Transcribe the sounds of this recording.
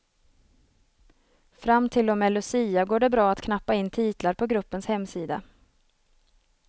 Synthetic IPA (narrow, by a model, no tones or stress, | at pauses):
fɾamːt̪ʰɪld̪ɔmːɛːlɵsiːaɡoːɖɛbɾɑːat̪kʰnapːaɪnːt̪ʰiːt̪laɾpʰɔɡɾɵpːənshɛmːsiːd̪a̰